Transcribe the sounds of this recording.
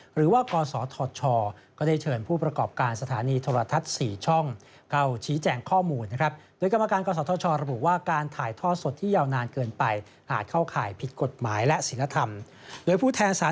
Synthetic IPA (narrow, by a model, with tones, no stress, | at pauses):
ɾɯː˩˦waː˥˩kɔː˧sɔː˩˦t̪ʰɔː˧t͡ɕʰɔː˧kɔː˥˩da˥˩jt͡ɕʰɤː˧npʰuː˥˩pɾa˧kɔː˨˩p̚kaː˧nsa˧t̪ʰaː˩˦niː˧t̪ʰoː˧ɾa˧t̪ʰa˦˥t̪̚siː˨˩t͡ɕʰɔ˥˩ŋ | kʰa˥˩wt͡ɕʰiː˦˥t͡ɕɛː˧ŋkʰɔː˥˩muː˧nːa˦˥kʰɾa˦˥p̚doː˧jka˧ma˧kaː˧nkɔː˧sɔː˨˦t̪ʰɔː˧˦t͡ɕʰɔː˧ɾa˧bu˨˩waː˥˩kaː˧nt̪ʰaː˨˩jt̪ʰɔː˥˩so˨˩t̪ʰːiː˥˩jaː˧wnaː˧nkɤː˧npa˧j | ʔaː˨˩t̪̚kʰa˥˩wkʰaː˨˩jpʰi˨˩t̪̚ko˨˩t̪̚maː˩˦jlɛ˦˥si˩˦la˧t̪ʰa˧m | doː˧jpʰuː˥˩t̪ʰɛː˧nsaː˨˦